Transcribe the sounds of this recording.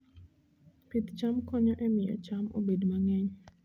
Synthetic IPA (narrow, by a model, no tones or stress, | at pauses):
pit̪t͡ʃamkɔɲɔʔɛmɪɔ̰t͡ʃamo̰bedmaŋɛɲ